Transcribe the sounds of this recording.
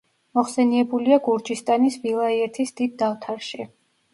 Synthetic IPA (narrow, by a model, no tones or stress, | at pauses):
mɔχsɛniɛbuliaɡuɾd͡ʒist̪ʼanisvilˠaiɛɾt̪ʰisd̪̥id̪ːat̪ʰaɾʃi